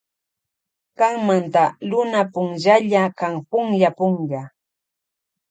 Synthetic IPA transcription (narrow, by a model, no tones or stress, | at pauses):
kaŋmant̪alʊnapʊŋʒaʎakaŋpʊŋʎapʊŋʎa